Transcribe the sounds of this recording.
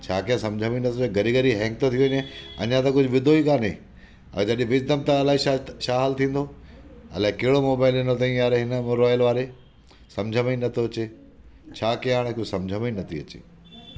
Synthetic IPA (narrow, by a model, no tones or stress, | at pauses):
t͡ɕʰaːkiãsɐ̃md͡ʑʱəminɐt̪ʰoːẽɡɐɾiɡəɾiɦɛ̃ːŋk̚t̪ot̪ʰijuʋɪɲẽɐ̰ɲãt̪ɐkʊd͡ʑʱʋɪd̪ʱoikaːne | ɐ̰̃t̪ɐɗĩʋɪd͡ʑd̪əmt̪ɐlaːiaʃaːɦaːlt̪ʰĩːn̆d̪oɐ̰laːɪ̃keɦɪɽomoːbaːɪlinot̪ɐ̃ĩjaːɾeɦɪnə̆moɾaːjəlʋaːɾe | sɐ̃md͡ʑʱəmĩnɐt̪ʰoɐt͡ɕe | t͡ɕʰaːkij̃ɦaːɽ̃ẽkosɐ̃md͡ʑʱəminɐt̪ʰiɐt͡ɕḛː